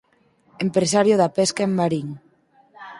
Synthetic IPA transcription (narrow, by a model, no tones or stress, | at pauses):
empɾesaɾjoðapeskaemːaɾiŋ